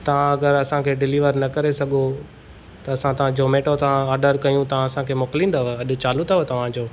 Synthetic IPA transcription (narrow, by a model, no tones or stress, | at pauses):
t̪ɐʋ̤ãɐɡəɾɐsãkʰeːɖɪliːʋəɾnɐkɐɾesɐɠo | t̪ɐɐsãt̪ɐʋ̤ãd͡ʑoːmeːʈot̪ɐʋãːɾɖəɾkɐjũt̪ɐʋ̤ãɐsãkʰeːmoːklĩːnd̪aɦɐɗʊ̆t͡ɕaːlʊt̪aɦot̪ɐʋ̤ãd͡ʑoː